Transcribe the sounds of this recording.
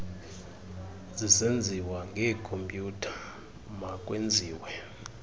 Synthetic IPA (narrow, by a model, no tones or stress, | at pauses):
zisend͡zʱiwaŋɡʱɛkʰompʼjutʰḁ | makʼwend͡zʱiːwɛ